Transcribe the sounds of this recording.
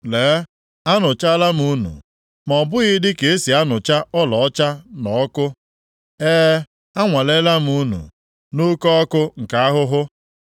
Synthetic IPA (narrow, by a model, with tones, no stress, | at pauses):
leː˨˦ | a˦nʊ˨t͡ʃa˦la˦m˨u˦nṵ˨ | m˨ɔ˨bʊ˦ɣi˦dɪ˦ke˨e˦si˨a˦nʊ˨t͡ʃa˦ɔ˦lɔ˨ɔ˦t͡ʃa˦nɔ˨ɔ˦kʊ˦ | eː˦ | a˦ŋʷa˨le˦la˦m̩˨u˦nṵ˨ | nu˦kɔ˦ɔ˦kʊ˦ŋ̩˨ka˨a˦ɦʊ˦ɦʊ˦